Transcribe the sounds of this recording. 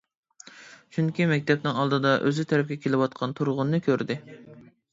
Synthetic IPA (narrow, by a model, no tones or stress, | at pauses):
t͡ʃʰyŋkʲimɛkʲt̪ʰɛp̚nɪŋɑlˠd̪ɨd̪ɑʔøzyt̪ʰɛɾɛp̚kʲɛkʲelɪwɑt̪qʰɑnt̪ʰuɾʁʊnːɨkʲʰøɾd̪ɪ